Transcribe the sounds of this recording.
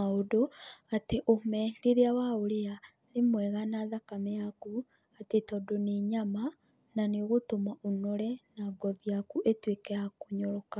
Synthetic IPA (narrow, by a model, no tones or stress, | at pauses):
aodoateʔomɛdeɾeawaoɾea | nemwɛɣanaðakamejaku | atetɔdoneɲama | naneoɣotomaʔonɔɾɛnaɡɔðiakuʔetwekɛakoɲɔɾɔka